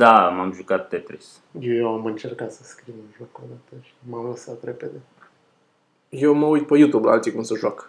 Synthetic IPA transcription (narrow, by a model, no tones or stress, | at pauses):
d̪amamʒukat̪̚ːet̪ɾis | jejewamɨnt͡ʃe̞rkat̪səskɾiwunʒokod̪at̪əʃi̥mamləsat̪ɾe̞pe̞d̪e̞ | je̞wməujt̪̚pejut̪ubula̰lt̪sijkumsəʒwak